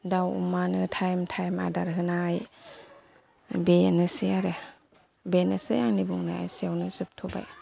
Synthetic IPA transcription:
dawṵmanɯtʰajmtʰajma̰daɾɦɯnaj | benɯsiaɾɯ | benasɯjaŋnibuŋnaa̰jsiawnɯzɯp̚tʰoba̰j

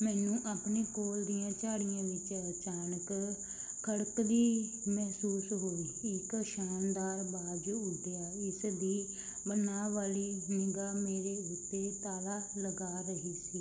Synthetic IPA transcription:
mɛːnũːʔaːpneːkoːld̪ijãːt͡ʃaːɽɪjãːʋɪt͡ʃət͡ʃaːnək | kʰəɽəkd̪iː | mɛɦsuːsɦoːiːɪkʃaːnd̪aːɾbaːdd͡ʒoʊɖɪjaːɪsd̪iː | bənaːʋaːliːnɪɡaːmeːɾeːʊt̪ːeːt̪aːlaːləɡaːɾəɦiːsiː

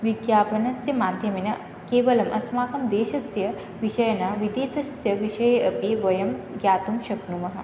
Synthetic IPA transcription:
ʋiɡjaːpɐnɐsjɐmaːd̪ʱjɐminɐ | keːʋɐlɐmʔɐsmaːkɐmd̪eːʃɐsjɐ | ʋiʃɐjɐnaʋid̪eːsɐsjɐʋiʃɐjɐɐpeʋɐjɐmɡjaːt̪umʃɐbnumɐɦɐ

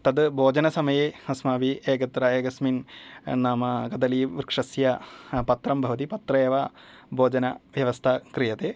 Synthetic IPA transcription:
t̪ɐd̪bʱoːd͡ʑɐnɐsɐmɐjeːhɐsmaːʋiʔeːɡɐt̪ɾɐeːɡɐsminnaːmɐkɐd̪ɐliʋkʂɐsjɐpɐt̪ɾɐmbʱɐʋɐt̪̬ipɐt̪ɾɐeːʋa | bʱoːd͡ʒɐnɐ̰ʋjɐʋɐst̪ʰɐkɾijɐt̪eː

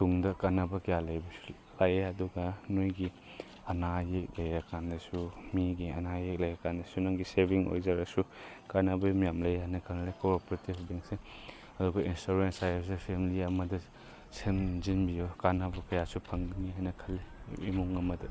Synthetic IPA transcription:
tuŋdɐkanɐbɐkɐjalɐjbɐsu̥ | lajeɐduɡɐnojɡi | ɐnajek̚lɐjakʰandɐsumiɡiɐ̰najek̚lajakʰandɐsunɐŋɡisebʱiŋo̰jzaɾɐsukanɐbɐmijamlɐjɦajnɐkʰanɐlekoɾpɾetibbeŋse | ɐduɡɐinstuɾensajsepʰemiliɐmɐdɐ | semzinbijokanɐbɐkɐjasupʰɐŋniɦajnɐkʰɐlːeimuŋɐmɐdɐ

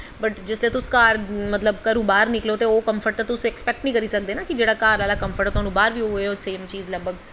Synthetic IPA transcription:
bəʈd͡ʒɪslieːt̪ʊskaːɾmət̪ləbkəɾoːbaːɾnɪkloːt̪eːoːkəmpʰəɾʈ̚t̪aːt̪ʊsɛkspɛk̚ʈnĩːkəɾiːsək̚d̪eːnaːkid͡ʒeːɽaːkaːɾlaːlaːkəmfʰəɾʈːt̪ʊɦaːnũːbaːɾʋiːoɦeoseːmt͡ʃiːzləbəɡ

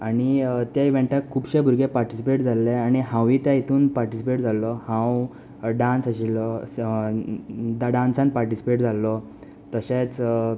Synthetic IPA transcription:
aɽ̃it̪jaiʋẽɳʈakʰːuːbɕebʱuɾɡepaɾʈisipeʈd͡zʱalːeaɽ̃iɦãwit̪jãit̪ʰuːnpaɾʈisipeʈd͡zʱalːɔhãw | ɖãnsaɕilɔ | d̪ɖãnsãnpaɾʈisi̥peʈd͡zʱalːɔ | t̪əɕẽt͡s

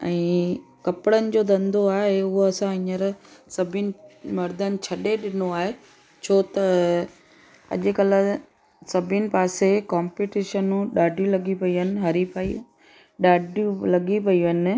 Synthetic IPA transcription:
ɛ̃ːkɐpɪɽənɪ̆d͡ʑoːd̪ɐ̃nd̪ʱoaːɦeʊɦoɐsãɪ̃ɲəɾsɐbʱɪnɪ̆mɐɾd̪ənɪ̆t͡ɕʰɐɗeɗɪnoaːɦe | t͡ɕʰoːt̪ɐ | ɐ̰ʄʊ̆kɐlə̆ | sɐbʱɪnɪ̆paːsekaːmpiʈiːʃənuɗaːɖʱjũlɐɠipɐiɦənɪ̆ɦɐɾipaːi | ɗaːɖjũlɐɡipɐiʋənɪ̆

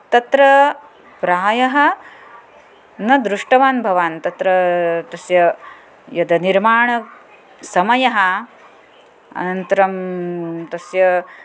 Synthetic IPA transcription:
t̪ɐt̪ɾɐ | pɾaːjɐɦɐ̆ | nɐd̪ɾuʂʈɐʋaːnbʱɐʋaːnt̪ɐt̪ɾɐt̪ɐsjɐ | jɐd̪ɐniɾmaːɳɐ | sɐmɐjɐɦɐ | ɐ̰nɐnt̪ɐɾɐmt̪ɐsjɐ

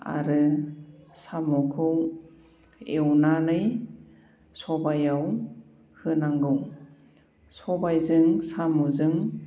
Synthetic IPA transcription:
a̰ɾɯ | samɔkʰɯw | ewnanɯj | sɔbajaw | hɯnaŋɡɯw | sɔbajzɯŋsamuzɯŋ

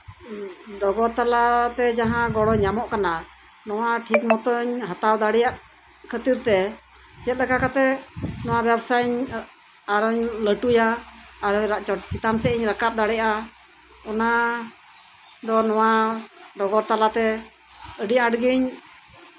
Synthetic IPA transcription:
ɖɔɡɔɾt̪alat̪ɛd͡ʒaɦãɡɔɽɔɲːamɔʔkana | nɔwaʈʰikmɔt̪ɔɲɦat̪awd̪aɽɛjaʔ | kʰət̪iɾt̪ɛ | d͡ʒɛt̪̚lɛkakat̪ɛnɔwabjɛbsajɲ | aɾɔɲləʈujaːɾɔɲɾat͡ʃɔt͡ʃit̪amsɛiɲɾakap̚d̪aɽɛʔa | ɔna | d̪ɔnɔwaɖɔɡɔɾt̪alat̪ɛ | əɖiɲaʈɡiɲ

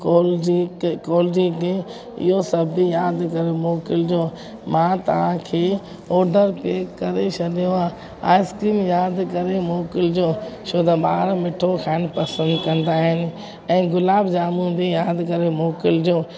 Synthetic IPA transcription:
koːlikɔːlɾid̪ẽ | ɪ̰ɦosɐbʱijaːd̪kɐɾemoːkɪld͡ʑoː | mãːt̪ɐ̰ʋ̤ãkʰeː | ɔːɾɖəɾpeːkːɐɾet͡ɕʰɐɗijoaː | a̰ːɪskɾiːmjaːd̪kɐɾemoːkɪld͡ʑoːʃʰoːd̪ɐɓaːɾmɪʈʰokʰaːnpɐsə̃nd̪kɐ̃nd̪aːɦɪnɪ̆ | ɛ̃ːɡʊlaːbd͡ʑaːmũbʱijaːd̪kɐɾemoːkɪld͡ʑoː

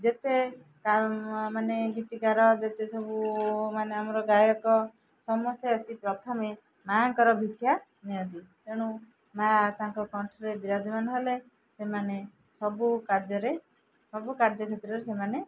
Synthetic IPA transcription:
d͡ʒet̪e | kamaneɡit̪iɡaɾɔd͡ʒet̪esɔbumaneamɔɾɔɡajɔkɔ | sɔmɔst̪eəsipɾɔt̪ʰɔme | maŋkɔɾɔbʱikʰja | niɔ̃t̪it̪eɽ̃ũ | mãt̪aŋkɔkɔɳʈʰɔɾebiɾad͡ʒɔmanɔɦele | semane | sɔbukaɾd͡ʒɔɾe | sɔbukaɾd͡ʒɔkʰet̪ɾɔɾesemane

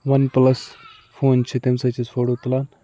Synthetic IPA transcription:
ʋɐnplɐs | foːnt͡ʃʰit̪imsɐt͡ʃizfoːʈoːt̪laːn

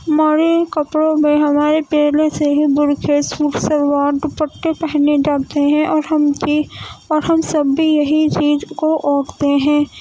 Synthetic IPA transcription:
maːɾekɐpɽõmẽɦɐmaːɾepeːlẽseɦibʊɾkʰesuːʈʰsəɾwaːd̪pəʈːepɛɦned͡ʒaːt̪eɦɛ̃ʔɔːɾɦmkiɔːɾɦɐmsɐbːijɐɦit͡ʃiːzkoʔɔːkt̪eɦɛ̃ː

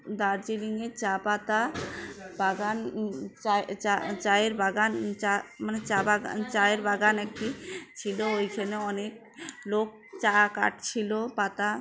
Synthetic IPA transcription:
d̪aɾd͡ʑiliŋet͡ɕapat̪a | baɡanaat͡ɕajeɾbaɡant͡ɕamanet͡ɕabaɡa̰t͡ɕaeɾbaɡanɛk̚ʈit͡ɕʰiloojkʰaneɔnek̚lok̚t͡ɕaka̰ʈt͡ɕʰilopat̪a

